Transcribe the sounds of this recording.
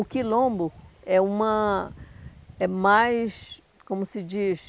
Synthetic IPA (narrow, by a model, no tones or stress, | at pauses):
ʊkilõmbʊɛũmɐ | ɛmajs | kõmʊsɪd͡ʒis